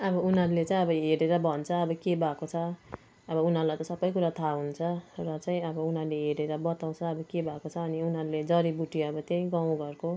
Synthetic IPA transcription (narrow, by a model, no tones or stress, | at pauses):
ʌbʌunɦʌɾulet͡saĩʌbʌɦeɾeɾʌbʱʌnt͡sʰʌːbʌkebʱakot͡sʰʌ | ʌbʌun̤ʌɾulajt̪ʌsʌbːʌjkuɾat̪ʰaɦunt͡sʰʌrʌt͡saĩʌbʌunɦaruleɦeɾeɾʌbʌt̪aw̃t͡sʰʌːbʌkebʱakot͡sʰʌːniunɦʌɾuled͡zʌɾibuʈiʌbʌt̪jʌĩɡãw̃ɡʌrko